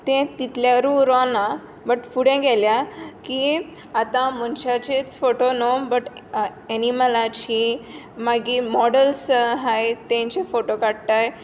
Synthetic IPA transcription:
t̪ẽt̪it̪ljaɾũɾɔna | bəʈfuɽẽɡɛljaki | at̪ãmənɕat͡ɕet͡sfoʈonobəʈeniməlat͡ɕi | maɡimɔɽəlsəɦajt̪ẽɲt͡ɕefoʈokaɽt̪aj

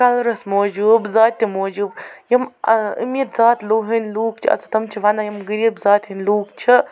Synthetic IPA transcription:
kɐlɾɐsmoːd͡ʒuːbzaːt̪ʲːimoːd͡ʒuːbjɐmɨ̰mit̪zaːt̪loːɦɨnluːk̚t͡ʃʰḭɐ̰sɐ̥t̪ɐmt͡ʃʰiʋɐnɐjɐmɡɨɾibzaːt̪ɦinʲluːk̚t͡ʃʰi

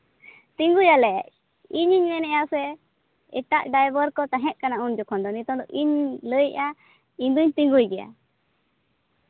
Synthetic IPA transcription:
t̪iŋɡujalɛʔɛʔ | iɲiɲmɛnɛjasɛ | ɛ̰ʈaʔɖajbəɾkɔt̪aɦɛ̃ʔ̚kanaund͡ʒɔkʰɔ̃nd̪ɔnit̪ɔ̃d̪ɔʔiɲləja | ind̪uɲt̪iŋɡujɡɛa̰

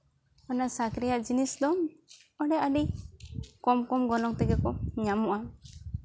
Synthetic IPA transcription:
ɔnasakɾijaʔd͡ʒinisd̪ɔm | ɔɽɛʔaɖi | kɔmkɔmɡɔlɔŋt̪ɛɡɛkɔɲamuʔa

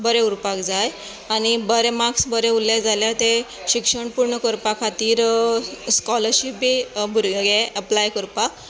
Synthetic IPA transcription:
bəɾeuɾpakd͡zaj | añibəɾemaksbəɾɛulːeɡd͡zʱaljat̪e | ɕikʂəɳpuɾɳəkəɾpakʰat̪iːɾ | skɔləɾɕip̚biːbʱuɾɡɡeʔəplajkəɾpa

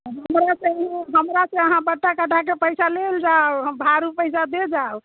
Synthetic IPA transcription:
ɔɦəmɾaseɦɦəmɾaseəɦãbəʈːakəʈʰak̬epəjsaleld͡ʒaoɦəmbʱaɾupəɪsad̪ed͡ʒao

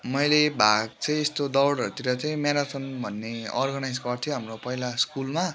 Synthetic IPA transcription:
mʌjlebʱaɡ̚t͡sʌj̃est̪od̪ʌwɽʌɾut̪iɾʌt͡sʌj̃meɾat͡sʌnbʱʌnːeʌ̰rɡʌnajd͡zɡʌrt̪ʰjũɦamropʌɦilaskulma

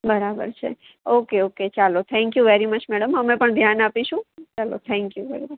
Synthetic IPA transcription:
bəɾabə̰ɾt͡ʃʰḛ | okeoket͡ʃalot̪ʰɛ̃ŋkjuʋɛɾimət͡ʃmɛɽəmɦəmẽpəɳd̪ʱjanapiʃũt͡ʃalot̪ʰɛ̃ŋkjuʋɛɾimət͡ʃ

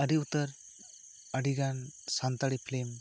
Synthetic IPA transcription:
əɾiut̪ːəɾ | əɽiɡansant̪aɽipʰlem

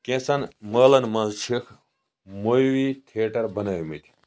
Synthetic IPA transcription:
kẽːsɐnmɐːlɐnmɐnzt͡ʃʰikʰ | mojwit̪ʰeːʈɐɾbɐnɐːjmit̪ʰʲi̥

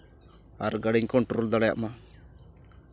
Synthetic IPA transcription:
aɾɡaɽiɲkɔɳʈɾold̪aɽaja̰ʔma

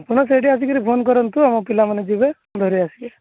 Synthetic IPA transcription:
puɽ̃ɔs̬eɖiasikiɾipʰonkɔɾɔnt̪uamɔpilamaned͡ʒube | d̪ʱɔɾiasie

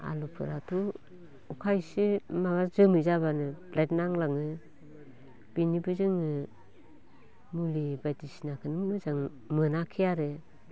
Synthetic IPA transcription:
a̰lupʰɯ̰ɾatʰu | ukʰajsimaɡazɯmɯzaβanɯblajt̚naŋlaŋɯ | b̥inibɯzɯŋɯ | mulibatisnakʰɯnɯnɯzaŋ | mɯnakʰijaɾɯ

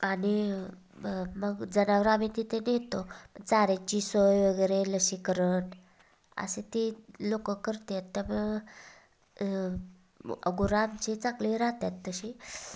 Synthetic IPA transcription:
ani | məɡd͡zənaʋəɾamit̪it̪ʰenɦet̪oət͡saɾet͡ɕisojʋəɡəjɾeləɕikəɾən | ə̰set̪ilokəkːəɾt̪eat̪ːaməɡ | ə̰ɡuɾamt͡ɕit͡sakliɾaɦt̪jat̪ːəɕi

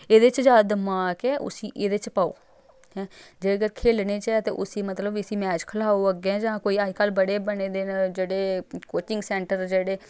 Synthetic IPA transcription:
eːd̪et͡ʃd͡ʒaːd̪əmaːkɛːʔʊ̰siːʔeːd̪et͡ʃpaːo̰ː | ɛ̃ːd͡ʒeːɡəɾkʰeːlneːt͡ʃɛːt̪ḛːʔʊsiːmət̪ləbɪsiːmɛːt͡ʃkʰəlaːoəɡẽd͡ʒãːkoːiːaːd͡ʒkəlbəɽeːbəneːd̪eːnd͡ʒeːɽeːkoːt͡ʃɪŋɡsɛːɳʈəɾd͡ʒeːɽeː

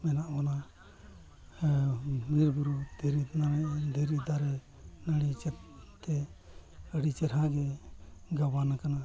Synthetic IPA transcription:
mɛnaʔmana | miɾbuɾud̪ʱiɾinaɾɛd̪ʱiɾid̪aɾɛ | naɽit͡ʃɛt̪ɛ | əɽit͡ʃɛɾɦãɡɛɡabanakana

